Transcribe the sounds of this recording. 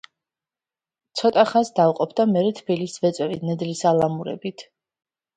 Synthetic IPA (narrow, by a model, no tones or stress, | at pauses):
t̪sʰɔt̪ʼaχasd̪avqʼɔpʰd̪amɛɾɛt̪ʰbilisvɛt̪sʼwɛvit̪nɛd̪lisalˠamuɾɛ̰bit̪ʰ